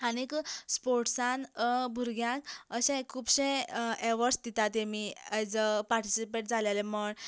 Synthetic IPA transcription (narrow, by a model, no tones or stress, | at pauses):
anekspoɾʈsãnbʱuɾɡjãkəɕɛ̃kʰːuːbɕɛ̃eʋəɾsd̪it̪at̪emiəd͡zəpaɾʈisipeʈ̚d͡zʱaljalɛməɳ